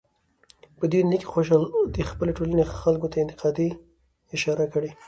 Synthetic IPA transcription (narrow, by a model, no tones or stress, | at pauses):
pəd̪wenike̥xoʃɑld̪əxpəleʈolanexalkot̪ʰaɪnt̪ɪ̥qɑd̪i | ɪʃɑɾakəɽe